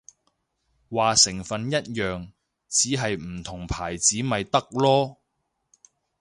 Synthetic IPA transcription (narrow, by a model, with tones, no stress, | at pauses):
waː˨sɪ˨˩ŋfɐ˨njɐ˥t̚jœː˨ŋ | t͡siː˨˥ɦɐ˨jm̩˨˩t̪ʰʊ˨˩ŋpʰaː˨˩jt͡siː˨˥mɐ˨jt̪ɐ˥k̚lɔː˥